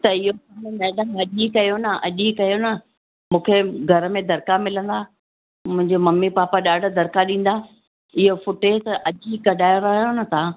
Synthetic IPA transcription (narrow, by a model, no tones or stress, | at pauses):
t̪ɐɪɦosanmɛːɗəmɦɐʄikɐjonɐʔɐ̰ʄikɐjonɐ | mũːkʰeɡʱɐɾəmẽd̪ʱɐɾkamɪlə̃nd̪aː | mʊ̃ɦɪ̃ɲd͡ʑomɐmːipaːpaɗaːɖ̆ʱd̪ʱɐɾkaɗĩːn̆d̪aː | ɪɦofʊʈeːt̪ɐʔɐʄikɐɗaːjoɾaːɦjonɐt̪ʰaː